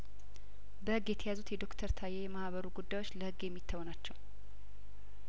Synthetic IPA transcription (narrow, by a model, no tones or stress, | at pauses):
bəhɨɡjɛt̪ʰəjazut̪jɛd̪o̞kt̪ʰəɾt̪ʰajːejɛmahβəɾuɡud̪ːajwo̞t͡ʃːləhɨɡːjɛmːit̪ʰːəwɔnat͡ʃːɛw